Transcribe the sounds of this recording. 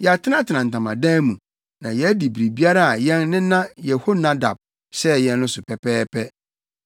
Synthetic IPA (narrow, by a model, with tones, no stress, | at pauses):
jɛ˨a˨tʰɪ˦nã˦tʰɪ˨nã˨n̩˨tã˨mã̰˨dãː˦mũ˨ | nã˨jɛ˦di˨bi˨ɾi˨bi˦a˦ɾa˦a˨jɛ̃˦nːɪ̃˦nã˦jɛ˨ho˦nã˦da̰˨b̥̚ | sɛ˦jɛ̃˦nː˦ʊ̃˦sʊ˨pʰɛ˨pɛː˦pʰɛ˦